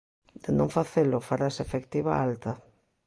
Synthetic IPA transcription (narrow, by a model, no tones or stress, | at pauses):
d̪̥ɪnõŋfaθelʊfaɾasefekt̪iβa̰alt̪a